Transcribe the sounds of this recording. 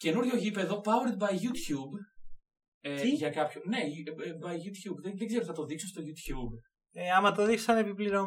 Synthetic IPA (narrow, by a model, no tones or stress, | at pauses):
ce̞nuɾʝo̞ʝipeðo̞pɐweɾt̪̚bɐjʝut̪çub | eʝɐkɐpçone̞bɐjʝut̪çubðeðeɡzeɾoθɐt̪o̞ðiksost̪o̞ʝut̪çub | eɐmɐt̪oðikssɐnepipliɾo